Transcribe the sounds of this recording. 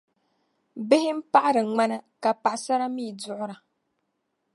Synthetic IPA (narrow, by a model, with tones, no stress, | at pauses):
bɪ˦hɪ˦m̩˦pa˦ʔa˦ɾɨ˨ŋ͡ma˦na˦ka˨pa˨ʔsa˦ɾa˦miː˦˨dʊ˦ʔʊ˦ɾa˨